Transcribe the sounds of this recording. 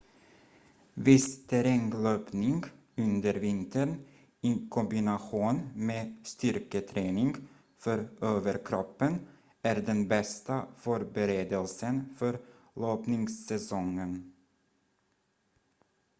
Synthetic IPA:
vɪst̪ʰæɾɛŋløːpnɪŋɡ | ɵnd̪əɾvɪnt̪əɳ | ɪkʰɔmbɪnaɧuːnmeːst̪ʏɾkət̪ʰɾeːnɪŋɡ | fœɾøːvəɾkʰɾɔpːən | æɾɖɛnbɛst̪afœɾbɛɾeːd̪əlsənfœɾ | loːpnɪŋsːɛsɔŋːən

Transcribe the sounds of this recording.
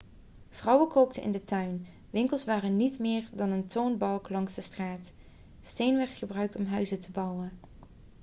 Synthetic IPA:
v̥rɑwəkowk̚tʰənʔɪ̰ndətœɥn | ʋɪŋkəlˠsʋaːrənitmɪːɹdɑnəntownbɑlˠklɑŋzdəstraːt | stejnʋɛɹtχəbrœɥk̚tɔmɦœɥzətəbɑwən

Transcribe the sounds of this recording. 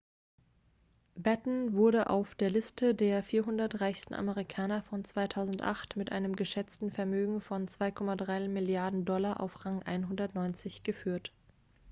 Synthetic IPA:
batn̩vʊɐɾəʔa̰ʊfd̥eːɐlɪstʰədeːɐfiːɐɦʊndɐtʁaɪçstn̩ʔa̰məʁikʰaːnɐfɔnt͡sv̥aɪtʰaʊzn̩tʔa̰χtmɪtʔa̰ɪnəmɡəʃɛt͡stn̩fɛɐmøːɡŋ̩fɔnt͡sv̥aɪkʰɔmadʁaɪmɪljaɐdn̩dɔlaʔa̰ʊfʁaŋʔa̰ɪnɦʊndɐtnɔʏnt͡sɪçɡ̥əfyːɐt

